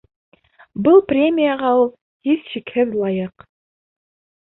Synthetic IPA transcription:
bɤlˠprʲemʲijaʁɑulˠ | hiθʃikhɘðlˠɑjɤq

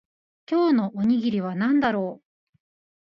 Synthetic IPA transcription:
kʲo̞ːno̞ʔoɲ̟iɡʲiɾʲiβ̞anãnd̪aɾo̞ː

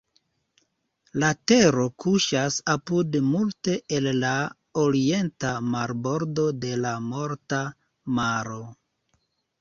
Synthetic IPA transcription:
late̞ɾo̞kuʃasapudmulte̞ʔelːa | oɾie̞ntamaɾbo̞ɾdo̞de̞lamo̞ɾta | maɾo̞

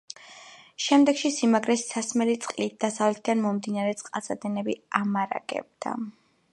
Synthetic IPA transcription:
ʃɛmd̪ɛɡ̥ʃisimaɡɾɛsːasmɛlit̪sʼqʼlit̪̚d̪asavlɛt̪ʰd̪anmɔmd̪inaɾɛt̪sʼqʼasad̪ɛnɛbiamaɾa̰ɡ̥ɛ̰b̚d̪̥a̰

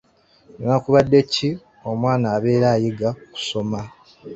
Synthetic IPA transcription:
nonakuβadːe̞ci | o̞mwaːnaːβe̞ːɾaːjiɡaku̥so̞ma

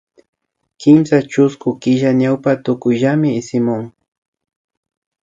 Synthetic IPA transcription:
kɪmsat͡ʃʊskʊkɪʒaɲawpat̪ʊkʊjʒamɪːsɪmʊŋ

